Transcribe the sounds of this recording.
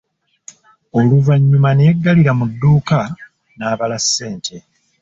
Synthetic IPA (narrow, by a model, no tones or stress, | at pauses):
o̞luvaɲːumanejeɡːaliɾamudːuːka | naːβalasːe̞ːntʰe̞